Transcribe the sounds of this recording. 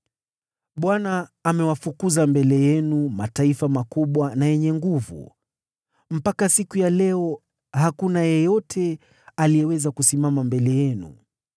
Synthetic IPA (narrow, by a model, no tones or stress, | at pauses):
ɓwanaːmɛwafukuzambɛlɛjɛnumataifamakuɓwanajɛɲɛŋɡuvṵ | m̩pakasikujalɛɔ | hakunajɛjɔtʰɛ | alijɛwɛzakusimamambɛlɛjɛnṵ